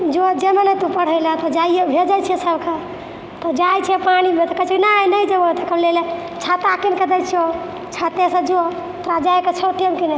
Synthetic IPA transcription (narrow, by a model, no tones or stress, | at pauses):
d͡ʒod͡ʒemenet̪upəɽ̤əjlat̪ɔd͡ʒaijebʱed͡ʒat͡ʃʰiɛsəbke | t̪ɔd͡ʒajt͡ʃʰɛpanimet̪ɔkət͡ʃʰiknanəjd͡ʒeot̪ɔkəblele | t͡ʃʰat̪akinkəd̪ət͡ʃʰio | t͡ʃʰat̪ẽsə̃d͡ʒoo | t̪ɾad͡ʒajket͡ʃʰəʈemkine